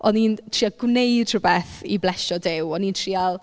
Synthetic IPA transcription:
ɔnintʰriaɡwneɨdrʊbɛθḭblɛʃɔdɪwɔnintʰrialˠ

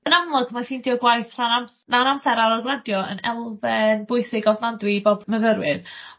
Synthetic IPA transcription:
ənamlˠɔɡmafiːndiːɔɡwajθr̥anamnaənamθɛɾaɾɔɡwlɛdjɔə̰nɛlˠvɛnbʊɨθɪɡɔvnˠandwiboːbməðəɾwɪn

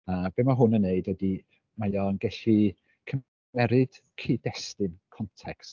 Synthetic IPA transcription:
ab̥emaɦʊnənːeɨdwɛdi | majɔnɡɛɬi | kʰə | ɛɾɨd̥ | kʰiːdɛstɨnkʰɔntʰɛkst

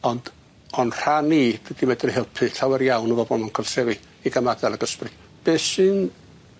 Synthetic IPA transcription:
ɔnd̥ | ɔnr̥anidɛdimɛdɛrɦɪlˠpʰɨɬawɛrjawnəvɔbɔnmankʰɔlˠsɛvɨ | iɡəmadɛlˠaɡəsprɨ | b̥eːsɨn

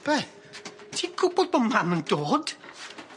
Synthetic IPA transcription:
b̥ɛ | tʰiɡʊbɔd̚bɔmamənd̥oːd̥

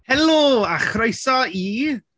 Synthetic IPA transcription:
hɛloaχɾajsɔiː

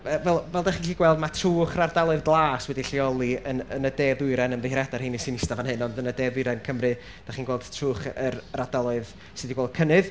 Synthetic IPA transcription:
əvɛlˠvɛlˠdaχiːniːɡwɛlˠdmatʰruːχrardalˠʊɨðɡlˠaːswɛdiɬiɔlˠiənənədeːðʊɨɾɛnəmðɪhɾɛdarhiːnisinɪstavanhɪnɔndənədeːðʊɨɾɛnkʰəmrɨ | d̥aχiːnɡwɛːlˠd̥tʰruːχərradalˠʊɨð | sɨdiɡwɛːlˠd̥̚kʰənɨð

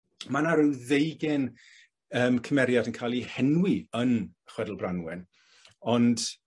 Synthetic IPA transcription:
manaɾɪwðejɡɪn | əːmkʰəmɛɾjadənkʰajlˠihɛnwiənəχwɛdlˠbranwɛn | ɔnd̥

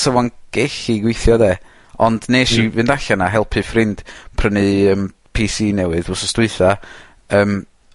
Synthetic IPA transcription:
səvɔnɡ̥eɬiɡwɪjθjɔdeː | ɔndneːʃivɨndaɬanaɦɛlˠpʰɨfrɪnd̥pʰrənɨəːm | pʰisiːnɛwɨðʊsɔstɪɨθa | əːm

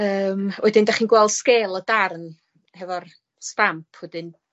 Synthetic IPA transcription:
əːmwɛdɪndaχiːnɡwɛlˠd̥skeːlˠɔdarn | hɛvɔr | stampʰwɛdɪn

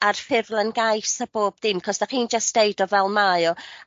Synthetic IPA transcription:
arfɪvlˠənɡajsab̥oːb̚ðɪmkʰɔsdaχiːnd͡ʒasd̥ejdɔvɛlˠmajɔ

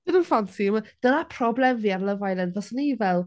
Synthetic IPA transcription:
ɪnənfansiməd̥ənapʰrɔblɛmviːarlˠəvajlˠənvɔsənivɛlˠ

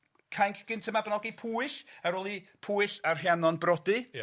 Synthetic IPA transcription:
kʰajŋkʰɡ̥ɪntʰəmavnɔɡipʰuːɨɬaɾoːlˠipʰuːɨɬarɦjanɔnbrɔdi

